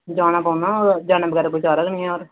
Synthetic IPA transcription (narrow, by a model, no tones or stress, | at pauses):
d͡ʒaːnãːpaːnãːoːɾd͡ʒaːnẽːbəɡɛːɾaːkoit͡ʃʰaːɾəknĩːɛ̃ːoːɾ